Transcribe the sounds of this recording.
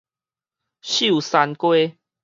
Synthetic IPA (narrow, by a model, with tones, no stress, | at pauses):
ɕu˦˥˨sa˧nkwe˦